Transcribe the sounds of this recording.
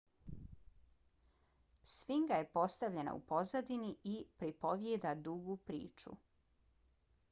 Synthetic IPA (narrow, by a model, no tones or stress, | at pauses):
sʋiŋɡaje̞po̞st̪aʋʎe̞na̰ṵpo̞zad̪iniʔipɾipo̞ʋjed̪ad̪uɡupɾḭːt͡ʃṵ